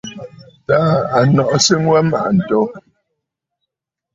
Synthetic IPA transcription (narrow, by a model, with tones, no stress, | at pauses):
ta˦a˨nɔ˨ʔsi˦ŋ˦wɛ˦ma̰˨ʔn̩˨tɔ˦